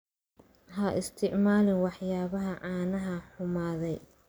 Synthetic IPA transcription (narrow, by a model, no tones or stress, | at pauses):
hɐʔɪ̰st̪ʰɪʕmaːlɪnwɑħjaːβɐɦɐʕaːnɐɦɐħʊmaːðɛj